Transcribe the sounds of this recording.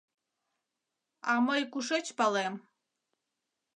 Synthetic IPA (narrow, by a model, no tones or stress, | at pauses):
aməjkʷuʂet͡ʃpalem